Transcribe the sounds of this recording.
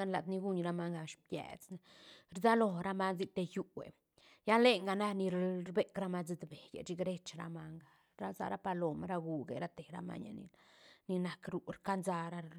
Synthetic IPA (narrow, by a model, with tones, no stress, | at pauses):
a˦nla˨t̪ni˦ɡu˦ɲɾa˧ma˦ŋɡa˧˨ʃbjḛ˨t͡sna˦ | ɾda˦lo˨ɾa˦ma˦nzi˦t̪e˧ju˧wḛ˨ | ja˦le˦ŋɡa˧na˦ni˧ɾɾbe˦kɾa˦ma˧d͡zi˧d̪be˨jḛ˨d͡ʒi˦ɡɾe˦t͡ʃɾa̰˧ma˧ŋɡa˨ | ɾa˦za̰˦ɾa˦pa˧lo˨ma˦ɾa˧ɡu˨ɡḛ˨ɾa˦t̪e˨ɾa̰˦ma̰˦ɲa̰˨nḭ˨ni˧na˨kɾu˨ɾka˦nza˧ɾa˦